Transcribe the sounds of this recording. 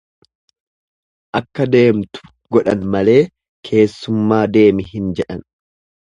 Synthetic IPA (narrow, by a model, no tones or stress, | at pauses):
ʔɐkːɐd̪e̞ːmt̪ʊ̥ | ɡɔᶑɐnmɐle̞ː | kʰe̞ːsːʊmːaːd̪e̞ːmɪɦɪnd͡ʒɛᶑɐn